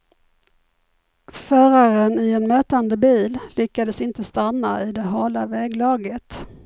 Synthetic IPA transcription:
fœːɾaɾənɪɛnmøːt̪and̪əbiːllʏkːad̪əsɪnt̪əst̪anːaɪd̪ɛɦɑːlavɛːɡlɑːɡət̪

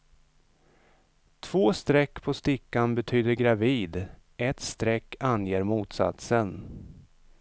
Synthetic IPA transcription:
t̪ʰv̥oːst̪ɾɛkːpʰɔst̪ɪkːanbɛt̪ʰyːd̪əɾɡɾaviːd̪ | ʔɛt̪st̪ɾɛkːanjeːɾmuːt̪sa̰t̪sən

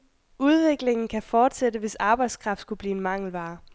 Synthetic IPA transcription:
uð̞ˠʋe̝ɡ̥le̝ŋn̩kʰæfɒːd̥sed̥əʋe̝sɑ̈ːb̥ɑ̈ɪd̥skʰʁɑ̈fd̥sɡ̥ub̥liːe̝nmɑ̈ŋ̰l̩ʋɑ̈ː

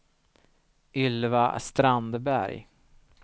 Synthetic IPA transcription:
ʏlva̰st̪ɾand̪bæ̰ɾj

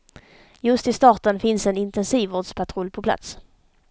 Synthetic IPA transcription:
jɵst̪ɪst̪ɑːʈ̪ənfɪnsɛnɪnt̪ɛnsiːvoːɖspʰat̪ʰɾʊlːpʰɔpʰla̰t̪s

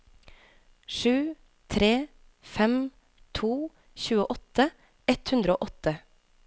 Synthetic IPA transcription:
ʃʉː | t̪ʰɾeː | fɛm | t̪ʰuː | çʉːəʔɔt̪ə | ɛt̪hʉnd̪ɾəo̰ːʔɔt̪ə

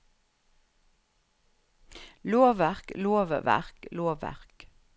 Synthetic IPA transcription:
loːʋæʁkloːʋʋæ̰ʁkloːʋæ̰ʁk

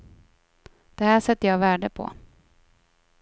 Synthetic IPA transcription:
d̪̥ɛhæːʂɛt̪ːəjɑːvæːɖəpʰɔ̰

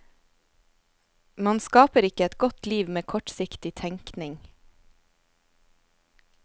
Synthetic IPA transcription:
mɑnskɑːpəɾɪkəɛt̪ɡɔt̪liːʋmeːkʰɔʈsɪkt̪ɪt̪ʰɛŋknɪŋ

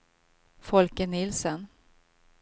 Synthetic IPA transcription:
fɔlkənɪlsən

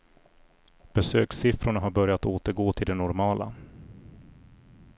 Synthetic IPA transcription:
b̥ɛsø̰ːksɪfɾʊɳaɦaɾbœɾjat̪oːt̪əɾɡoːt̪ʰɪld̪ɛnɔɾmɑːla̰

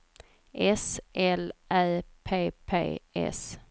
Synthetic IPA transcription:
ʔɛsʔɛlʔæːpʰeːpʰḛːɛ̰s

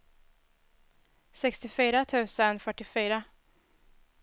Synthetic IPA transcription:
sɛkst̪ɪfyːɾat̪ʰʉ̟ːsənfœʈːɪfyːɾa

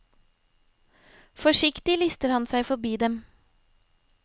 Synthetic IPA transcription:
fɔʃɪkt̪ɪlɪst̪əɾhɑnsæɪfɔbiːd̪ɛm

